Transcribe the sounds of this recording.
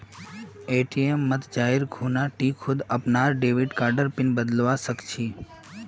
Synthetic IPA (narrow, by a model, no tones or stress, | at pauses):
eʈiemːət̪ʰd͡ʒaɦiɾɡʰʱunaʈikʰʊd̪əpnaɾɖeʋiɖkaɾɖəɾpɪnbəd̪əlʋasəkt͡ʃʰi